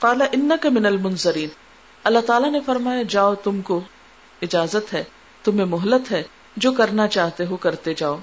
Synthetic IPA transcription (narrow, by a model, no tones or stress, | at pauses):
qɑːlɐʔɪnːɐkɐmɪnɐlmʊnzɐɾiːn | ɐlːaɦt̪aːlanefɐɾmaːjad͡ʒaːot̪ʊmko | ɪd͡ʒaːzət̪ɦɛ | t̪ʊmẽmʊɦlət̪ɦɛ | d͡ʒoːkɐɾnat͡ʃaːɦt̪eɦokɐɾt̪ed͡ʒaːoː